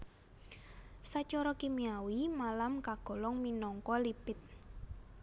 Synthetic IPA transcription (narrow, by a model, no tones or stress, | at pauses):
sat͡ʃɔɾɔkimiawimalamkaɡ̥ɔ̤lɔŋminɔŋkɔlipɪt̪̚